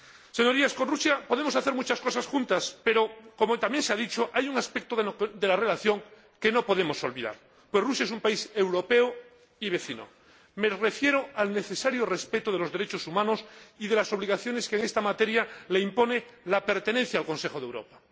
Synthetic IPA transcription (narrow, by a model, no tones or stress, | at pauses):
se̞ɲo̞ɾiaskonrusjapo̞ðe̞mosaθeɾmut͡ʃasko̞sasxunt̪aspe̞ɾokomot̪amje̞nseaðit͡ʃoʔajuŋaspek̚t̪oðd̪e̞lare̞laθjo̞ŋ | ke̞no̞po̞ðemo̞so̞lβiða̰ɾ | pwesrusjae̞sumpaise̞wɾo̞pe̞o | iβe̞θino̰ | me̞re̞fje̞ɾoalne̞θesaɾjorespet̪oð̞elo̞zðe̞ɾet͡ʃosumãnosiðe̞laso̞β̞liɣaθjo̞ne̞skeŋe̞st̪amat̪e̞ɾjaleimpo̞nelape̞ɾt̪e̞nen̟θjaːlko̞nse̞xoðe̞wɾo̞̰pa